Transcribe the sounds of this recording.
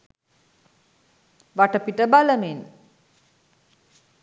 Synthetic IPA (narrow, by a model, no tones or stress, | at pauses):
ʋaʈəpiʈəbaləmen